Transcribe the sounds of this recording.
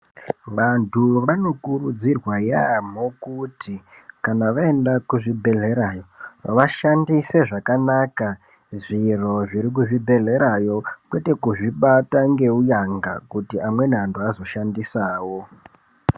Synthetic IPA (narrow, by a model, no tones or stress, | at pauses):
ʋantʰuʋano̞kurud͡zirwajam̤okutʰikanaʋae̞ndakuʐibʱe̞ɮe̞ɾajo̞ʋaʃandise̞ʐakanaka | ʐiro̞ʐiɾik̬uʐibʱe̞ɮe̞ɾajo̞kwe̞te̞kuʐiɓataŋɡe̞ujaŋɡa̰kutiʔamwe̞nantuazo̞ʃandisaːwo̞